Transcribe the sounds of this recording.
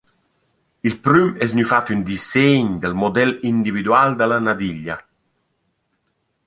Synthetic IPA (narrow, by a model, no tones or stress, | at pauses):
ilpɾymɛznyfat̪ynd̪isɛeɲd̪əlmod̪ɛlind̪ivid̪wald̪əlanad̪iʎːa